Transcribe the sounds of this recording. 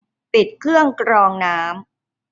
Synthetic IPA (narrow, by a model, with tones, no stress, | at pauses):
pi˨˩t̪̚kʰɾɯ˥˩əŋkɾɔː˧ŋnaː˦˥m